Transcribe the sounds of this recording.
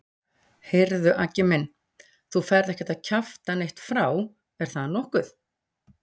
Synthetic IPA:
heɾðʏʔacɪmɪn | θufɛɾðɛhcɪ̥ɾt̪aðcʰaft̪anejht̪fɾaːw | ɛɾ̥θaðnɔhkʏθ

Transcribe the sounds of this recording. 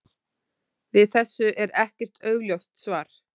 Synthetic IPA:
vɪðθɛsːʏʔɛɾɛhcɛr̥t̪œːɥɣljawst̪svaːɾ̥

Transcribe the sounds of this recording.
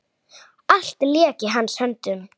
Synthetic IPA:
al̥t̪ljɛːcɪɦanːshœnt̪ʏn

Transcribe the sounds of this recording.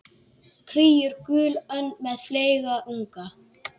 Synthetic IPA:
kʰɾiːjʏɾ̥kʏːlœnːmɛðfleːjɣaʔuŋka

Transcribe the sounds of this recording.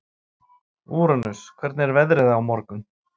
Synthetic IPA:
uːɾʏnʏskʰvɛɾt̪nɛɾvɛðɾɪðaawmɔɾkʏm

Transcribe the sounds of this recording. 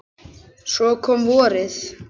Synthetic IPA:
sɔkʰɔmvɔːɾɪθ

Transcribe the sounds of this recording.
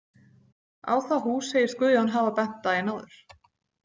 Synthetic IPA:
a̰ːwθaɦuseːjɪɾ̥skʏðjɔanɦaːvapɛn̥t̪aɛnaːwðʏɾ̥

